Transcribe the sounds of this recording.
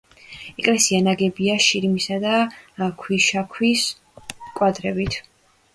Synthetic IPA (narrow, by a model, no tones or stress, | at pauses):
ɛkʼlɛsianaɡɛbiaʃiɾmisad̪akʰwiʃakʰwis | kʼwad̪ɾɛbit̪ʰ